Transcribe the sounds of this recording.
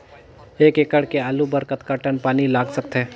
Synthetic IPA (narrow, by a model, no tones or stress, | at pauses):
eːkekəɽkeaːlubəɾkət̪kəʈənpaːnilaːɡsək̚t̪ɦɛː